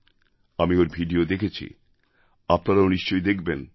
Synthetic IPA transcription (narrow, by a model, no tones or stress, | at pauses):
amioɾbʱiɖiod̪ekʰet͡ɕʰḭ | apnaɾaoniʃt͡ɕojd̪ekʰben